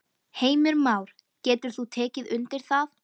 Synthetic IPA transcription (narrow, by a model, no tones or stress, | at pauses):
heːjmʏɾmaːwɾ̥ | cɛːt̪ʏɾ̥θut̪ʰɛːcɪðʏnt̪ɪɾ̥θað